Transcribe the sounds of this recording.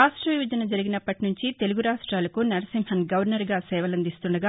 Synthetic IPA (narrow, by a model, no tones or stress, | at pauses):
aːʂʈɾɐʋiʋɐd͡ʒɐnɐd͡ʒɐɾiɡinɐpːɐʈinuɲt͡ʃit̪e̞luɡuɾaːʂʈɾaːlɐkunɐɾɐsimhɐnɡɐʋɐɾnɐɾɡaːsɛːʋɐlɐnd̪ist̪uɳɖɐɡaː